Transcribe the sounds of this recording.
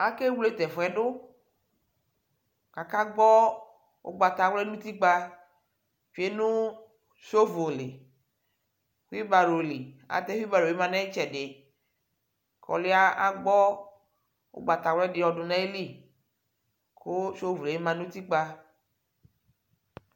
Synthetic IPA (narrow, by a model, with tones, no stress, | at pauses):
a˦ke˦wle˦t̪ɛ˨vɔ˨ɛ˨ɖʊ˦ | ka˨ka˦ɡ͡bɔ˦ | wo̰˦ɡ͡ba˨t̪a˨wlɛ˦nũ˦t̪i˦k͡pa˦ | fi˨˦e˦nũ˦ | ʃo˦vo˨le˨ | xwi˦ba˨ɾo˨li˨a̰˨t̪ɛ˦wi˦ba˨ɾo˨e˦mã˨nã˦e˦t͡ʃɛ˨ɖɪ˨ | kʰɔ̰˨le˦a˦a˦ɡ͡bɔ˦ | wo̰˦ɡ͡ba˨t̪a˨wlɛ˦ɖɪ˨˦ɔ˨ɖʊ˨nã˦e˦li˦˨ | ko˦ʃo˦vu˨le˨e˦mã˨nũ˦t̪i˦k͡pa˦